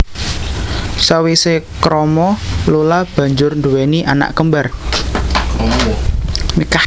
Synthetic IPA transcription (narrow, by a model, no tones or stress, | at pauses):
sawisekɾɔmɔlulab̥a̤ɲd͡ʒʊrnduweniʔa̰na̰ʔkəmbar | mika